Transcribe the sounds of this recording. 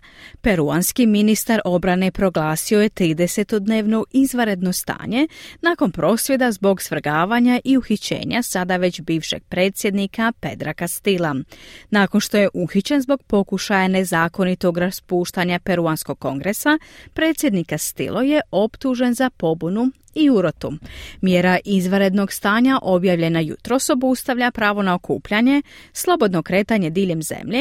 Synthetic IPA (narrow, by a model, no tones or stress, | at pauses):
pe̞ɾuanskiminist̪aɾo̞bɾane̞pɾo̞ɡlˠaːsio̞jet̪ɾiːd̪e̞se̞t̪o̞d̪ne̞ːʋno̞ʔizʋaɾe̞d̪no̞st̪a̰ːɲe̞naːko̞npɾo̞ːsʋje̞d̪azbo̞ɡsʋr̩ɡaːʋaːɲaʔiuxit͡ɕe̞̰ːɲasad̪aʋe̞t͡ɕbiːʋʃe̞̰ɡ̥̚pɾe̞ːt̪sje̞d̪nikape̞̰d̪ɾakast̪ilˠanaːko̞nʃt̪o̞je̞ʔuxit͡ɕe̞nzbo̞ɡ̥̚po̞kuʃajane̞zaːko̞nit̪o̞ɡɾaspuːʃt̪aɲape̞ɾuansko̞ɡ̚kːo̞̰ŋɡɾe̞sapɾe̞ːt̪sje̞d̪nikast̪ḭlʔo̞je̞ʔo̞pt̪uʒe̞nzapo̞bunu | iuɾot̪umjeɾaʔizʋaɾe̞d̪no̞ɡst̪aːɲaʔo̞bjaːʋʎe̞najṵt̪ɾo̞so̞bust̪aʋʎapɾaːʋo̞nao̞kʰṵːpʎaɲe̞slˠo̞bo̞d̪no̞kɾe̞ːt̪aɲe̞d̪iʎe̞mze̞̰mʎe